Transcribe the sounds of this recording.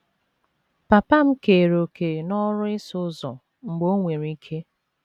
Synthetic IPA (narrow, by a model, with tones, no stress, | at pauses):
pa˨pa˦m̩˦ke˨ɾo˨kʰe˨nɔ˦ɾʊ˦ɪ˦sʊ˦zɔ˨ | ŋ͡m̩˨ɡ͡bo˦ŋʷe˨ɾi˦kʰe˦